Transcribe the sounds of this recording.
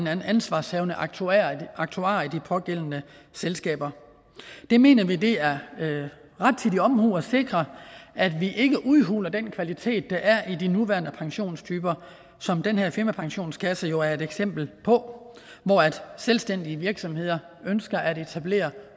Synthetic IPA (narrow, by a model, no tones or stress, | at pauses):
næn̩ænsʋɑ̈ːshɛʊnə | ɑ̈ɡ̥̚t͡sʰuɑ̰̈ːid̥ipʰɒ̽ɡ̥el̰n̩ə | selsɡ̥ɛ̰ːb̥ɐ | d̥e̝me̝̰ːnɐʋide̝æɐ | ʁɑ̈d̥̚t͡sʰid̥iɒ̽mhuːɒse̝ɡ̥ʁɐʔæd̥ʋiʔe̝ɡ̥əʔuðˠɦṵːlɐd̥enkʰʋælit͡sʰe̝̰ːd̥̚ːɑ̈ʔæɐʔid̥inuʋæːɐnəpʰɑ̈ŋɕo̝̰ːnst͡sʰyːb̥ɐ | sɒ̽md̥enɦeɐfiɐmæpʰɑ̈ŋɕo̝̰ːnskʰæsəjo̝æɐe̝d̥eɡ̥sem̰b̥l̩pʰɒ̽ | ʋɒæd̥selsd̥en̰d̥iəʋiɐɡ̥sɒ̽mhe̝ð̞̰ˠɐ | ønsɡ̥ɐʔæde̝t͡sʰæb̥le̝̰ːɐ